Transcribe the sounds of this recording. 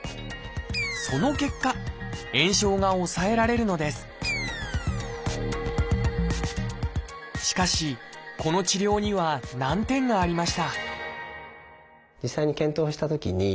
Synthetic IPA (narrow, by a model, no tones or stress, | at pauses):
so̞no̞ke̞kːaẽ̞ɰ̃ɕo̞ːɡao̞sae̞ɾaɾe̞ɾɯ̟no̞d̪e̞sɨ̥ | ɕi̥kaɕiko̞no̞t͡ɕiɾʲo̞ːɲ̟iβanãnt̪ẽ̞ŋɡaːɾʲimaɕi̥t̪a | d͡ʑisːaiɲ̟ikẽ̞nt̪oːɕi̥t̪at̪o̞kʲiɲi